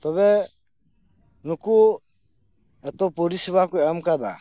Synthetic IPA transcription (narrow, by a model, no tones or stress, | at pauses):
t̪ɔβɛ | nuku | ɛt̪ɔpɔɾisibakɔɛamkad̪a̰